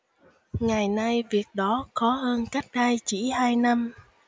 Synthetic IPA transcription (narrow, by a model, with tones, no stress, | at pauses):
ŋa˨˩jna˧jvi˨˩ək̚ɗɔ˨˦xɔ˨˦həː˧nka˦˥k̚ɗaː˧jt͡ɕḭ˧˥haː˧jna˧m